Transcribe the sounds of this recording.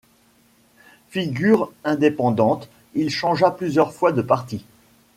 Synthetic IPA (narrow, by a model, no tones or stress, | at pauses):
fiɡʲyʁɛ̃d̪epɑ̃d̪ɑ̃t̪ | ilʃɑ̃ʒaplyzjœʁfwad̪əpaʁt̪i